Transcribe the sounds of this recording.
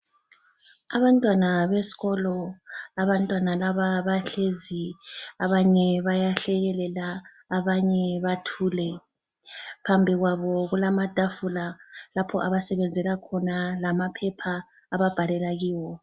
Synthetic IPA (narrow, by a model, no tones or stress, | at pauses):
aβantʼwanaβesi̥ɣɔlɔaβantʼwanalaβaβaɬeziaβaɲɛβajaɬɛɣɛlɛlaː | βaɲɛβatʰuːlɛ | pʰambʱiɣwaβɔɣulamad̥ʱafulalapʰɔ̰ʔaβasɛβɛnd͡zʱɛlakʰɔnalamapʰɛpʰaː | βab̥ʱalɛlaɣiːwɔ